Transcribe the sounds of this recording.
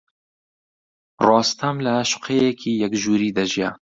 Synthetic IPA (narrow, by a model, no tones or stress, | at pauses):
rɑːst̪ʰɐmlɐʃʊ̥qʰejɛkʰiːjɛkʒuːɾiːd̪ɐʒijɛ